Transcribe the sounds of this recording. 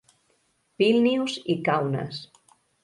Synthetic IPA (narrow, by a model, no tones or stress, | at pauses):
pilniwzikawnə̰s